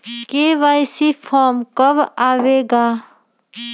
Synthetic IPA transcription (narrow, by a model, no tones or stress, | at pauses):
keʋajsipʰɔmkɔbaʋeɡa